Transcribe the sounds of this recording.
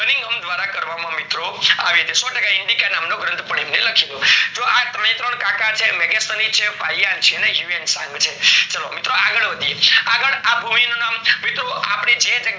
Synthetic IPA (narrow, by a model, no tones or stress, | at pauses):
ənĩŋɡəmd̪ʋaɾakəɾʋamãmɪt̪ɾoa̰ʋiət̪esɔʈəkaɪɳɖikanamnoɡɾə̃nt̪ʰpəɳ̃emneləkʰilũd͡ʒoʔat̪ɾə̃ĩt̪ɾəɳkãkat͡ʃʰemɛɡest̪ənit͡ʃʰefaiaɾt͡ʃʰenejuensã̰ŋɡt͡ʃʰet͡ʃəlomɪt̪ɾoaɡəɭʋəd̪ʱijeaɡəɭabʱuminonamːit̪ɾoapɳ̃id͡ʒet̪e